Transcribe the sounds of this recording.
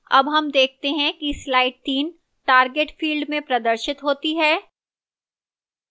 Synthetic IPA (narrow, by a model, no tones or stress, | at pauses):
ɐ̰bɦɐmd̪eːk̚ʰt̪eɦɛ̃kislaːɪʈ̚t̪iːn | ʈaːɾɡeʈfiːlɖmẽpɾɐd̪əɾʃɪt̪ɦoːt̪iɦɛː